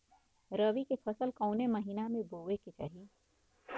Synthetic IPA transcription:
ɾɐʋikepʰɐsəlkɔːnemɐɦinamẽboːʋeket͡ʃa̰ːɦi

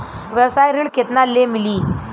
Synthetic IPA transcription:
ʋjəwsajɾiɭket̪nalːemiliː

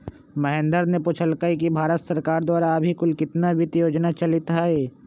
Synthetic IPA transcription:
mɐɦẽnd̪əɾnepʊt͡ʃʰəlkəik̬ibʱaːɾət̪sɐɾkaːɾd̪waːɾaɐbʱikʊlkɪt̪nabʱɪt̪joːd͡ʒnat͡ʃɐlɪt̪ɦaɦɛː

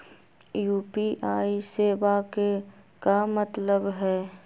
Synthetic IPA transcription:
juːpiʔaːiseːʋakekamət̪ləbɦɛː

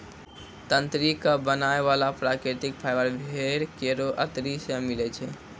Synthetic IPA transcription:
t̪ənt̪ɾikəbənaeʋalapɾakɾet̪ik̚pʰaɪjbəɾbʱeɾkeɾoʔə̰t̪ɾisemilɛt͡ʃʰɛ

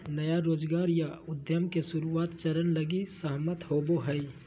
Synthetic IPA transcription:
nəjaɾoːd͡ʒɡaːɾjaʊd̪jəmkesʊɾuaːt̪t͡ʃəɾənləɡisəɦmət̪hoːboɦəi

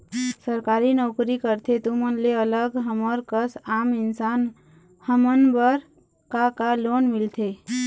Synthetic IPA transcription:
səɾkaɾinɔkɾikəɾt̪ʰet̪umənleələɡɦəməɾkəsamɪnsan | həmənbəɾ | kakalonmilt̪ʰe

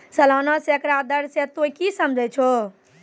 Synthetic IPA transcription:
səlɔnɔsekɾad̪əɾset̪okisəmd͡ʒʱɛt͡ʃʰo

